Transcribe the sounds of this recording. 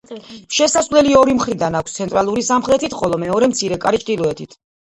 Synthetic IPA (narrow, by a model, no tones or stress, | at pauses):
ʃɛsasvlɛliɔɾimχɾid̪anakʷʰst̪sʰɛnt̪ʼɾalˠuɾisamχɾɛt̪ʰit̪χɔlˠɔmɛɔɾɛmt̪sʰiɾɛkʼaɾit͡ʃʼqʼilˠɔɛt̪ʰit̪ʰ